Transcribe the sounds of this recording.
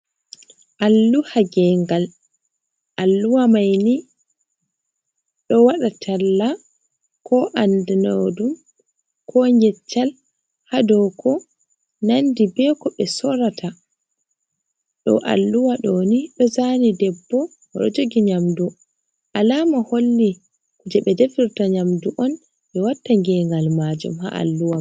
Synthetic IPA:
ʔalːuhaɡɛŋɡal | ʔalːuwamajni | ɗɔwaɗatʰalːa | kʰɔʔandinodum | kʰɔɲɡɛt͡ʃːal | hadɔkʰɔ | nandibɛːkɔɓɛsɔɾatʰa | ɗɔ̰ʔa̰lːuwaɗɔniɗɔzanidɛbːɔ | wɔ̰ɗɔ̰d͡ʒoɡiɲamdu | ʔalamaholːi | kud͡ʒɛɓɛdefiɾtaɲamduʔɔn | ɓɛwatːaŋɡɛŋɡalmad͡ʒṵmha̰ʔa̰lːuwa

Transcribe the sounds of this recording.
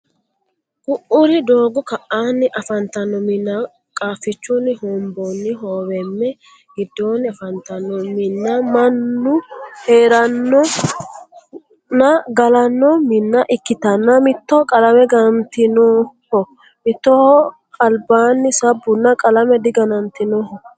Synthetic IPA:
ɡ̥ʊʔʊɾɪd̪oːɡɔkɐʔaːnːɪʔɐfɐnt̪ɐnːɔmɪnːa | kʼaːfːɪt͡ʃːunːɪhɔmbonːɪɦoːwɛmːɛ | ɡɪd̪ːoːnːɪɐfɐnt̪ɐnːɔmɪnːɐmɐnːʊheːɾɐnːɔ | nɐɡɐlɐnːɔmɪnːɐʔɪkːɪt̪ɐnːɐmɪt̪ːɔkʼɐlɐmɛɡɐnt̪ɪnoːhɔ | mɪt̪ːɔ | kʼɐlbaːnːɪsɐbːʊnːɐkʼɐlɐmɛd̪ɪɡɐnɐnt̪ɪnɔhɔ

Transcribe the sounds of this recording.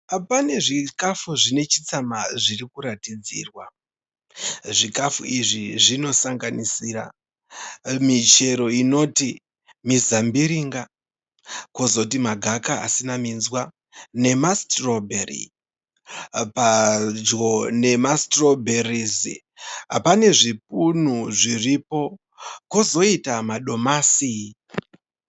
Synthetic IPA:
pane̞ʐikafuʐine̞t͡ʃit͡samaʐiɾikuɾatid͡zḭːrwa | ʐikafṵiʐiʐino̞saŋɡanisiːra̰ | mit͡ʃe̞ɾo̞ino̞ti | mizambiɾiŋɡa | kozo̞t̬imaɡʱakaa̰sinaminzwa | ne̞mastrobʱerḭ | pad͡ʒo̞ne̞mastro̞bʱerizḭ | a̰pane̞ʐip̚un̤uʐiripo̞ | kozo̞itamaɗo̞masi

